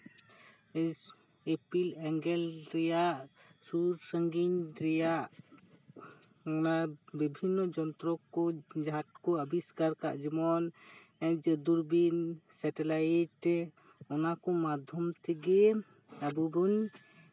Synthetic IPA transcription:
epilɛŋɡɛlɾɛjaʔsuɾsəŋɡinɾɛjaʔ | ɔnabibʱinːɔd͡ʒɔnt̪ɾɔkɔd͡ʒat̚kɔəbiskaɾka̰ʔd͡ʒɛmɔnɛɲd͡ʒəd̪uɾbinsɛʈɛlaiʈ | ɔnakɔmad̪ʱjɔmt̪ʰɛɡɛ | abuɡɔɲ

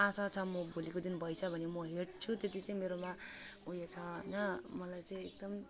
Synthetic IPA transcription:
asat͡sʰʌmʌbʱolikod̪inbʱʌjsʰʌbʱʌnemʌɦeʈt͡sʰut̪et̪it͡sʌ̃ĩmeɾomaujet͡sʰʌɦʌjnʌmʌlajt͡sʌ̃ĩek̚d̪ʌm

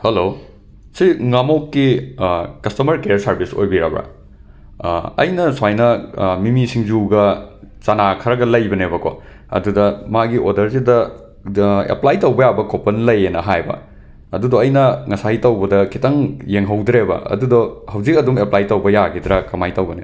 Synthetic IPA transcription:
helo | siŋamokːi | kɐstɐmɐɾkejɐɾsɐɾbiso̰jbiɾa̰bɾa̰ | ɐ̰jnɐswajnɐmimisiŋzuɡɐt͡ʃanakʰɐɾɐɡɐlɐjbɐnebɐkʰo̰ | ɐ̰dudɐmaɡiʔodɐɾzidɐ | ḛplajtɐwbɐjabɐkʰopɐnlɐjenɐɦajbɐ̰ | ɐdudoɐjnɐŋɐsaɦitɐwbɐdɐkʰitɐŋjeŋɦɐwdɾebɐ̰ɐ̰dudohɐwzik̚ɐdumeplajtɐwbɐjaɡid̪ɾɐkɐmajtɐwbɐne

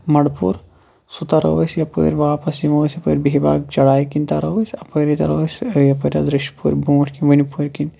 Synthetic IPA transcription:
mɐɽpṵɾ | sut̪aɾɐ̰ʋəsjɐpə̰ːɾʲʋaːpɐsjimoːsʲɐpəːɾʲbeɦibaːɡ̚t͡ʃɐɽaːjkinʲt̪aɾɐʋəsʲɐpəːɾit̪ɐ̰ɾɐʋəsʲjɐpɐɾʲad̪ɾɨʃpṵɾʲbũːʈʰʲkinʋɐnipuːɾʲkin

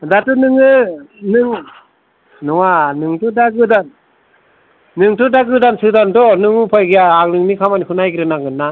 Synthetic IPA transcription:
datɯnɯŋɯnɯŋ | nɯŋanɯŋtudaɡɯdan | nɯŋtudaɡɯdansɯdandɔnɯŋɯpʰɔjɡijaaŋnɯŋnikʰamanihunajɡɾɯnaŋɯnːa

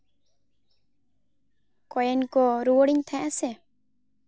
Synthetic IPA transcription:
kɔjɛnkɔɾuwɔɽiɲt̪ʰãʔasɛ

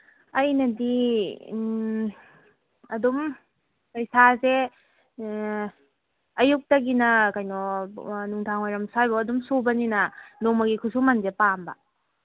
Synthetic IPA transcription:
ɐjnɐdi | ɐdum | pɐjsaze | ɐjuk̚tɐɡinɐkajnɔnuŋtʰaŋojɾɐmsajbɐɐdumsobɐninɐnomɐɡikʰusumɐnzepambɐ

